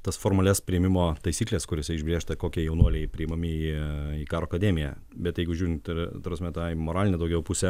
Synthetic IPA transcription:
t̪ɐsfoːɾmɐlʲɛːspʲɾʲɪɪmʲɪmoːt̪ɐɪsʲiːklʲeːskʊɾʲoːsʲɛɪʒʲbʲɾʲeːʃt̪ɐkoːkʲiɛjɛʊnuɔlʲɛɪpʲɾʲɪɪmɐmʲɪiːiːkɑːɾoːkɐd̪ʲeːmʲɪjɛ | bʲɛt̪jɛɪɡʊʒʲuːɾʲɪnt̪ɪt̪ɾɐsʲmʲɛt̪ɑmoːɾɑːlʲɪnʲɛd̪ɐʊɡʲɛʊpusʲɛ

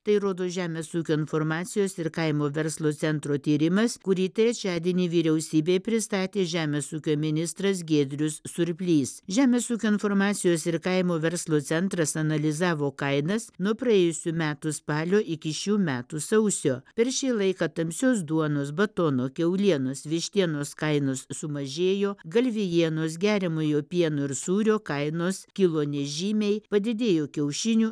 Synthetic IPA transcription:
t̪ɐɪɾoːd̪oːʒʲæːmʲeːsuːkʲoːɪnfoɾmɑːt̪sʲɪjoːsɪɾkɐɪmoːʋʲɛɾslˠoːt̪sʲɛnt̪ɾoːt̪ʲiːɾʲɪmɐskʊɾʲiːt̪ɐɪɐt͡ʃʲæːd̪ʲɪnʲiːʋʲiːɾʲɛʊsʲiːbʲeːpʲɾʲɪst̪ɑːt̪ʲeːʒʲæːmʲeːsuːkʲoːmʲɪnʲɪst̪ɾɐs̬ɡʲeːd̪ʲɾʲʊsːʊɾʲpʲlʲiːsʒʲæːmʲeːsuːkʲoːɪnfoːɾmɑːt̪sʲɪjoːsɪɾkɐɪmoːʋʲɛɾslˠoːt̪sʲɛnt̪ɾɐsɐnɐlʲɪzɑːʋoːkɐɪnɐsnuɔpɾɐeːjʊsʲumʲæːt̪uspɑːlʲoːʔɪkʲɪʃʲuːmʲæːt̪usɐʊsʲoːpʲɛɾʃʲiːlˠɐɪkɑt̪ɐmʲsʲoːsd̪uɔnoːsbɐt̪onoːkʲɛʊlʲiɛnoːsʋʲɪʃʲt̪ʲiɛnoːskɐɪnoːssʊmɐʒʲeːjoːɡɐlʲʋʲɪjiɛnoːsɡʲæːɾʲɛmoːjoːpʲiɛnoɪɾsuːɾʲoːkɐɪnoːskʲɪlˠoːnʲɛʒʲiːmʲɛɪpɐd̪ʲɪd̪ʲeːjoːkʲɛʊʃʲɪnʲuː

